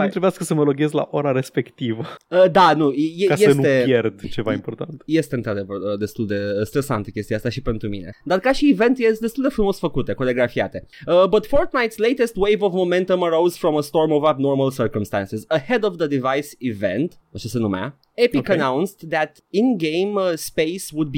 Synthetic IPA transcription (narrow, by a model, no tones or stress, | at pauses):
amt̪ɾebeaskəsəməloɡezla̰ʔoɾaɾespe̞kt̪ivəəd̪anujekajeəsnut̪ejerd̪t͡ʃevaimport̪ant̪je̞st̪eɨnt̪ɾad̪e̞vərəd̪e̞st̪uld̪e̞st̪ɾe̞sa̰nt̪əkʲest̪iast̪aʃipe̞nt̪ɾumine̞̰d̪arkaʃiːve̞nt̪jesd̪est̪uld̪efɾumo̞sfəkut̪ekoleɡɾafiat̪e̞əbət̪foɾt̪najt̪slejt̪est̪wejvovmomẽnt̪õməɾowz̥fɾoməst̪oɾmovabnorməlsərkəmst̪ã̰nsizəhed̪ovd̪əd̪ivajsivḛ̃nt̪ | ot͡ʃesenuma̰ | epikənãwnst̪ðæt̪ | inɡejmspejswud̪̚bi